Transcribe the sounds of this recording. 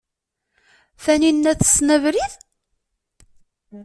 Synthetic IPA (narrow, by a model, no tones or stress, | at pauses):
θæninːæθə̥snəvɾið